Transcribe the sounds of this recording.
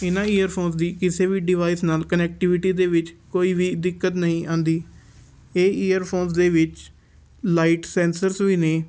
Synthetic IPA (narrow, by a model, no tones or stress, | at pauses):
ɪnãːiːəɾpʰoːns̬d̪iːkɪseːʋiːɖɪʋaːiːsnaːlkənɛːk̚ʈɪʋɪʈiːd̪eːʋɪt͡ʃkoːiːʋiːd̪ɪkːət̪nəɦĩːʔãːnd̪iː | eːiːəɾpʰoːns̬d̪eːʋɪt͡ʃ | laːiːʈsɛ̃ːnsəɾsʋiːneː